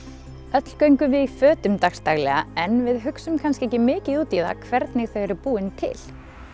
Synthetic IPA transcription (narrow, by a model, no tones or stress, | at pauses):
œt̪l̥kœɥŋkʏvɪðifœːt̪ʏmt̪axst̪aɣlɛ̰ɣa̰ɛnvɪðɦʏksʏmkʰanskcɪɛhcɪmɪːcɪðuːt̪iða̰kʰvɛɾt̪nɪɣθœɥɛɾɪɾpuːɪnt̪ʰɪ̰l̥